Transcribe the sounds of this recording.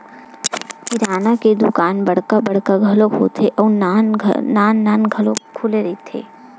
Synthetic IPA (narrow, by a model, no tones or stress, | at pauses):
kɪɾaːnaked̪ukaːnbɐɽ̤kabɐɽ̤kaɡʱɐlokʰo̰ːt̪ʰeʔɔːɾnːn̰naːnːaːnɡʱɐlokʰːʊleɾɐet̪ʰḛː